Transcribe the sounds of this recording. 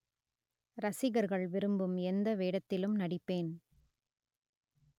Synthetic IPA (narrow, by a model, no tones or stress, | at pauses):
ɾɐsɪɣɐɾɣɐɭʋɪɾɯmbɯmɛnd̪ɐʋeːɽɐt̪ːɪlɯmnɐɽɪpːeːn